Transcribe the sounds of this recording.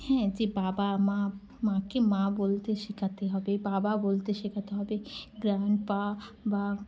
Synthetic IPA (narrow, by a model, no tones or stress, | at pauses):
hɛ̃d͡ʒibaːbama | mãkemãbolt̪eʃikʰat̪eɦɔbebaːbabolt̪eʃikʰat̪eɦɔbeɡɾaːɳɖ̚paba